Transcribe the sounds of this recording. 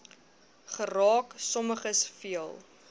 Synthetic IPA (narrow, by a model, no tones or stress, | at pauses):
χərɑːksɔməχəsfiəlˠ